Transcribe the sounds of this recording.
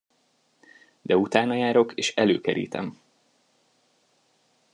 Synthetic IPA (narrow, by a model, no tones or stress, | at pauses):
d̪ɛut̪aːnɒjaːɾo̞keːʃɛlø̰ːkɛɾḭːt̪ɛ̰m